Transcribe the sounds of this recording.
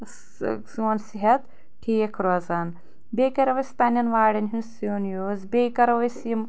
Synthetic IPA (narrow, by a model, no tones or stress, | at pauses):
s | suɐnsiɦɐt̪ | ʈʰijekʰɾozaːn | beːkɐɾɐʋɐst̪ɐnɐnʋaːɽɐnɦinsjonjoːzbeːkɐɾɐʋɐsim